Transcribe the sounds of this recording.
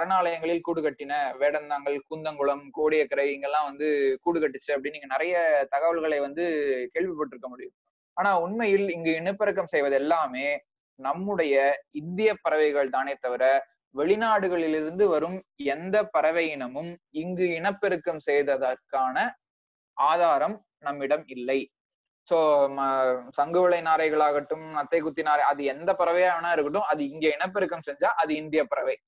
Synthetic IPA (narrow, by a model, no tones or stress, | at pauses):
pɐɾɐnaːlɐjɐŋɡɐɭɪlkuːɽɯkɐʈːɪnɐʋeːɽɐnd̪aːŋɡɐɭkuːnd̪ɐŋɡɯɭɐmkoːɽɪjɐkːɪɾɐɪɛŋɡɐɭlːãːʋɐnd̪ɯkuːɽɯkɐʈːɯt͡ʃːɯɐpːɐɽɪnːiːŋɡɐnɪɾɐjɐt̪ɐɣɐʋɐɭɣɐɭɐɪʋɐnd̪ɯkeːɭʋɪpːɐʈːɪɾɯkːɐmʊɽɪjɯm | aːnaːʊnmɐjɪlɪŋɡɯɪɳɐpːɛɾɯk̬ːɐmsɛjʋɐðɛlːaːmeː | nɐmːɯɽɐjɐɪnd̪ɪjɐpɐɾɐʋɐɪɣɐɭd̪aːnɛt̪ːɐʋɪɾɐ | ʋɛɭɪnaːɽɯɣɐɭɪlɪɾɯnd̪ɯʋɐɾɯmɛnd̪ɐpːɐɾɐʋɐjɪɳɐmɯmɪŋɡɯɪɳɐpːɛɾɯkːɐmsɛjðɐðɐɾkaːnɐ | aːðaːɾɐm | nɐmːɪɽɐmɪlːɐɪ | soː | sɐŋɡɯʋɐɭɐɪnaːɾɐɪɣɐɭaːɣɐʈːɯmnɐt̪ːɐɪkːʊt̪ːɪnaːɾɐɪɐðɯɛnd̪ɐpɐɾɐʋɐjaːʋɐnaːɪɾɯkːɯʈ̬ːɯ̃mɐðɯɪŋɡeːɪɳɐp̬ːɛɾɯkːɐmsɛɲd͡ʒaːʔɐðɯɪnd̪ɪjɐpːɐɾɐʋɐɪ